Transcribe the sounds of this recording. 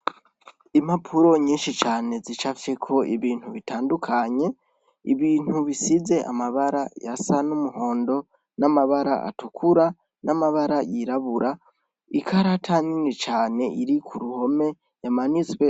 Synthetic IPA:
imhapʰuɾo̞ɲiːnʃit͡ʃaːne̞zit͡ʃafekʰo̞ʔiβiːn̥huβitʰaːndukʰaɲe̞ | ḭβiːn̥huβisize̞ʔa̰maβaɾa̰ja̰sanumuho̞ːndo̞ | namaβaɾa̰ʔa̰tukʰuɾa | nʔamaβaɾajiɾaβuɾa | ikʰaɾatʰaɲinet͡ʃaːne̞ʔiɾikʰuɾuho̞me̞ | jamanizwe̞

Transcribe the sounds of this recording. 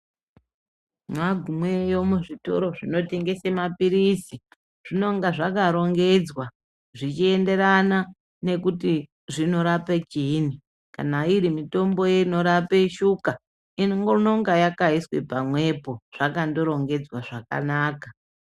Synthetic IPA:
maɡʱumwe̞jo̞muʐito̞̰ɾo̞ʐino̞te̞ŋɡe̞semapiɾisi | ʐ̥ino̞ŋɡaʐakaɾo̞ŋɡe̞d͡zwa | ʐit͡ʃie̞nde̞ɾana | ne̞kuti | ʐino̞ɾapet͡ʃini | ka̰naiɾimito̞mbo̞jeno̞ɾapeʃuka | inŋono̞ŋɡajakaiswe̞pamwe̞po̞ʐ̥akando̞ɾo̞ŋɡe̞d͡zwaʐaka̰naːka

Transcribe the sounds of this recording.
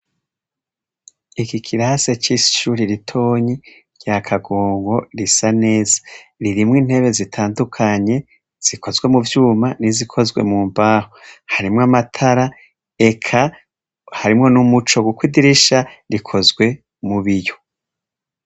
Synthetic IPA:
ikikʰiɾase̞t͡ʃisi̥ʃuːɾiɾitʰo̞ːɲi | jakʰaɡoːŋɡo̞ɾisane̞ːzḁɾiɾimŋiːn̥he̞βe̞zitʰaːndukʰaɲe̞ | z̥iko̞zɡwe̞muvjuːmanizikʰo̞zɡwe̞̰muːmbaːhohaɾimŋamatʰaɾa | e̞kʰa | haɾimŋo̞numut͡ʃo̞ɡukwidiɾiʃaɾikʰo̞zɡwe̞ | muβijo

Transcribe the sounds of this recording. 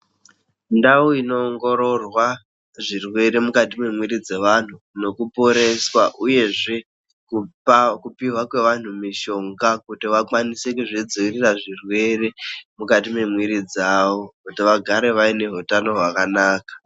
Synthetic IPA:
ndauino̞ːŋɡo̞ɾo̞rwa | ʐirwe̞ɾemukatimwe̞mwiɾid͡ze̞ʋan̤u | no̞kupo̞ɾe̞swaʔuje̞ʐe̞ | kupakupiɦwakwe̞ʋan̤umiʃo̞ŋɡakutiwakwanise̞kuʐid͡ziwiriraʐirwe̞ɾemukat̬ime̞mwiɾid͡zaːʋo̞kutiʋaɡʱaɾe̞ʋaine̞ɦutano̞ɦwakanaːkḁ

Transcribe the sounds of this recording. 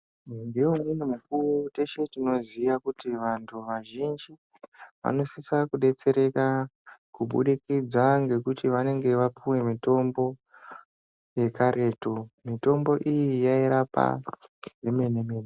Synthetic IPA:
ndiwomunumuk̚uruteʃe̞tino̞ziʋakutiʋantʰuʋaʒind͡ʒi | ʋa̰no̞sisakuɗe̞t͡se̞ɾe̞kakuɓṵɗikid͡zaŋɡe̞kutiʋane̞ŋɡe̞ʋapuwe̞mito̞mbo̞ | je̞kaɾʔe̞ːto̞mito̞mbo̞ʔijijaiɾapa̰jemenemeːne

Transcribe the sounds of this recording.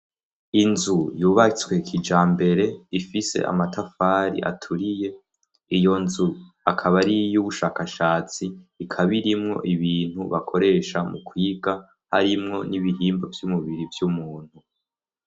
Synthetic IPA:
inzujuːβat͡swe̞kʰid͡ʒaːmbe̞ɾe̞ifise̞̰ʔa̰matafaːɾḭʔa̰tʰuɾije̞ | ijo̞nzu | akʰaβaɾijuβuʃaːkaʃaːt͡siːkʰaβiɾimŋo̞̰ʔiβiːn̥huβakʰo̞ɾe̞ʃamukʰwiːɡa | ha̰ɾimŋo̞niβiɦiːmbo̞vjumuβiɾivjumuːn̥hu

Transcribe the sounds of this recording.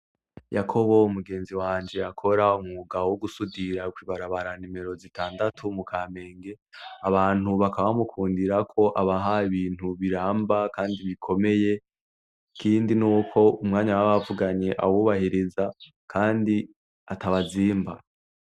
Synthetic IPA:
jakʰo̞βo̞umuɡe̞ːnziwaːɲd͡ʒe̞akʰo̞ɾaumuɡawoɡusudiɾakwiːβaɾaβaɾanime̞ɾo̞zitʰaːndatʰumukʰaːme̞ːŋɡe̞ | aβaːn̥huβakaβamukʰuːndiɾakʰo̞ʔaβaɦaβiːn̥huβiɾaːmbakaːndiβikʰo̞me̞je̞ | kiːndinuːkʰo̞umŋaːɲawaβavuɡaɲe̞ʔawuβahiɾiza | kʰaːndi | atʰaβaziːmba̰

